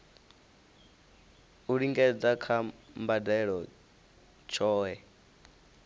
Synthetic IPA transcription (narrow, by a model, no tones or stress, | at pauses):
uɺiŋɡɛd͡zakʰambadɛɺɔ | t͡ʃʰɔːɦɛ